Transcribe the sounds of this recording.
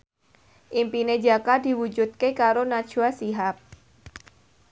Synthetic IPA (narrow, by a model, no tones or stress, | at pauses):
ʔimpined͡ʒakad̪̥i̤wud͡ʒut̪̚kekaɾonḁt͡ʃuasiɦap̚